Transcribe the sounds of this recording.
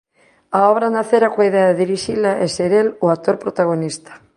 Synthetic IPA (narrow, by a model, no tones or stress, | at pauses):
aoβ̞ɾanaθeɾakwaiðeaðeðiɾiʃilaʔeseɾeloak̚t̪oɾpɾot̪aɣ̞onist̪ḁ